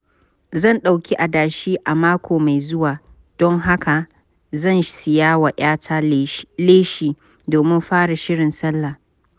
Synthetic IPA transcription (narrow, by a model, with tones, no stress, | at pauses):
zɐ˦˨nɗa˨wkʲʰi˦ʔa˨daː˨ʃiː˦ʔa˨maː˦kʷʰoː˨ma˨jzʊ˦waː˨ | d̥ɔ˦ŋɦa˦ka˨ | zɐ˦˨nsɪ˨jaː˦wa˨ʔaː˦tʰaː˦leː˦ʃiː˨ | doː˨mɪ˦mɸaː˦ɽa˨ʃɪ˦ɽɪ˨nsɐ˦lːa˨